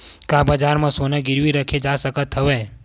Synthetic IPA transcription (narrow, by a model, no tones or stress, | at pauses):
kãbəd͡ʒaɾmãsonãɡɪɾʋiɾəkʰed͡ʒasəkət̪ʰːəʋe